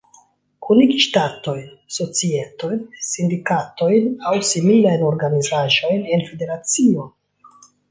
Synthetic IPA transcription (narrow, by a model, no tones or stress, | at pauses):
kʰuniɡʃtato̞jnso̞t͡sieto̞jnsindikato̞jnawsimilajno̞ɾɡanizaʒo̞jne̞nfe̞de̞ɾat͡sio̞